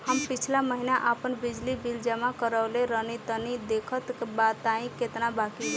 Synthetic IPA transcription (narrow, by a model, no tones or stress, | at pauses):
həmpit͡ʃʰlaməɦinaʔəpənbid͡ʒlibild͡ʒəmakəɾəwleɾənit̪ənid̪ekʰət̪kebat̪aĩket̪nabaki